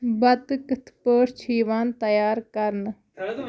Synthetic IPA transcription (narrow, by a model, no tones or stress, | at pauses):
bɐt̪kət̪ʰpəːɾt͡ʃʰiːʋaːnt̪ɐjaːɾkɐɾn